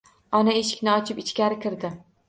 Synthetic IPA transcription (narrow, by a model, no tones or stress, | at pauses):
ɒnaeʃɪ̥kʲnɪɒt͡ʃʰɪpɪt͡ʃkʲaɾɪkʲʰɪɾd̪ɪ